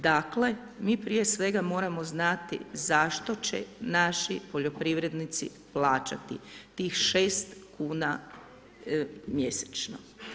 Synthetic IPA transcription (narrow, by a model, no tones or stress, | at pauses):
d̪akle̞ | miːpɾije̞sʋe̞ɡamo̞ːɾamo̞znat̪ḭzaʃt̪o̞t͡ɕḛnaʃipoʎo̞pɾiʋɾe̞d̪nit̪sḭ | plaːt͡ʃa̰t̪ḭt̪iːxʃeːst̪kuːna | mje̞se̥t͡ʃno̰